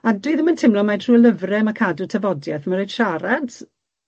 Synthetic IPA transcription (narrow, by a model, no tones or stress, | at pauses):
adwiːðəməntʰɪmlɔmatʰruːələvrɛmakʰadutʰəvɔdjɛθmaɾojd̥ʃaɾad